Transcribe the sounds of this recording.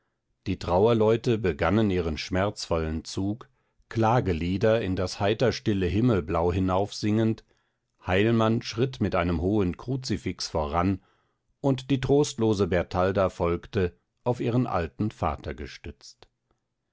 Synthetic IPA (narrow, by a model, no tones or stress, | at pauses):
d̥iːtʁ̥aʊɐlɔʏtəbəɡanəniːʁənʃmɛɐt͡sfɔlənt͡suːk | kʰl̥aːɡəliːdɐɪndashaɪtɐʃtɪləɦɪml̩blaʊɦɪnaʊfz̥ɪŋənt | haɪlmanʃʁ̥ɪtmɪtʔaɪnəmɦoːənkʁ̥ut͡sifɪksfoːɐʁan | ʔʊntd̥iːtʁ̥oːstloːzəbɛɐtʰaldafɔlktə | ʔaʊfʔiːʁənʔa̰ltn̩fa̰ːtʰɐɡəʃtʏt͡st